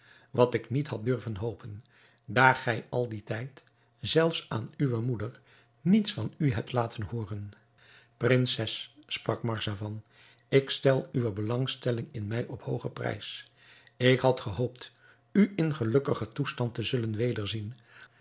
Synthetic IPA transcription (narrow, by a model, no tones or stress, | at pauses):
ʋɑtɪknitɦɑt̚dɵɹvənɦowpʰən | daːɹχɛjɑlˠditɛjt | z̥ɛlˠfsa̰ːnyʋəmudəɹ | nitsfɑnyɦɛp̚tlaːtənhʊːrən | prɪnsɛsːprɑkmɑɹsaːvɑn | ɪkstɛlˠyʋəbəlɑŋstɛlɪŋɪnmɛjʔɔphowχəprɛ̰js | ɪkɦɑtχəɦowpt | yʔɪnχəlɵkəχətustɑntəzɵlənʋejdəɹzin